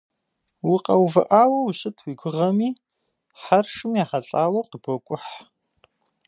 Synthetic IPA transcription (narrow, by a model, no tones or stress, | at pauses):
wʊqʼɐwvɐ̰ʔaːwɐwɕʼɨtʰwiɡʷʊʁɐmiː | ħarʂɨmjaːħɐɬʼaːwɐqəbokʷʼʊħ